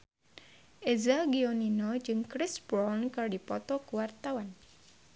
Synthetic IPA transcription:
ʔezaɡiɔninɔd͡ʒɨŋkɾɪsbɾɔnkɨrdipɔt̪ɔkəwart̪awan

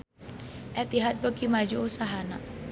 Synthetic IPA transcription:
ʔɛt̪iɦat̪̚bəkimad͡ʒuusaɦana̰ʔ

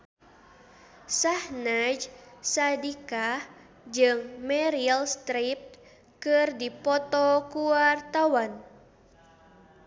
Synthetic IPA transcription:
sahnad͡ʒsadikah | d͡ʒɨŋmɛɾialst̪ɾip̚t | kɨrdipɔt̪ɔkuart̪awan

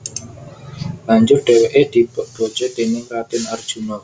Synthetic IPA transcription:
laɲd͡ʒʊrɖ̥eweʔed̪̥ib̥ɔʔb̥ɔt͡ʃet̪enɪŋkat̪ɪnard̥ʒ̥unɔ

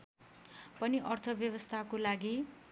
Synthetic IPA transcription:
pʌniʔʌrt̪ʰʌbjʌbʌst̪ʰakolaɡi

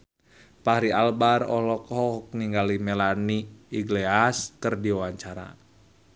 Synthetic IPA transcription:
pahɾialbarɔ̰lɔkhɔk̚niŋɡalimɛlaniiɡleaskərdiwawaɲt͡ʃaɾa̰

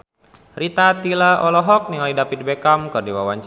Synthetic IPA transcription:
rit̪at̪ilaʔɔlɔɦɔk̚niŋalidapit̪̚bɛkamkɨrdiwawaɲt͡ʃ

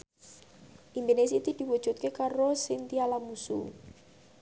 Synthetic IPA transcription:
ʔind̪onesit̪id̪̥i̤wɔd̥ʒ̥ṳt̪̚kekaɾosɪnt̪ialamusṵ

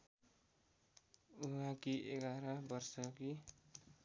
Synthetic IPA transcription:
uɦãkiʔeɡaɾʌbʌrsʌki

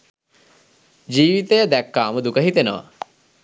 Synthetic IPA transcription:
d͡ʒiːʋit̪əjəd̪ækːaːməd̪ukəɦit̪enəʋa̰

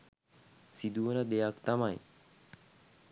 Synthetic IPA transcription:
sid̪uʋənəd̪ejakt̪amaj

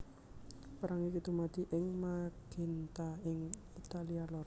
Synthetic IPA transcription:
pəɾaŋikit̪umad̪̥i̤ʔɪŋmaɡ̥i̤nt̪aɪŋ | it̪alialɔr

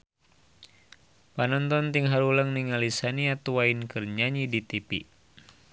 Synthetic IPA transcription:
panɔnt̪ɔnt̪iŋɦaɾulaŋniŋalisaniat̪uwainkɨrɲaɲidit̪ipi

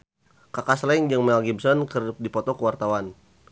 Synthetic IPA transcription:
kakaslaiŋd͡ʒəŋmɛlɡibsɔnkərdipɔt̪ɔkəwart̪awan

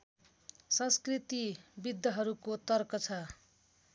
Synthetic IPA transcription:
sʌ̃nskrit̪ibid̪ːʌɦʌɾukot̪ʌrkʌt͡sʰʌ

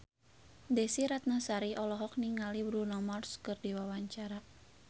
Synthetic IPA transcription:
dɛsiɾat̪̚nəsaɾiʔɔlɔɦɔk̚niŋalibɾunɔmɔrskɨrdiwawaɲt͡ʃaɾa

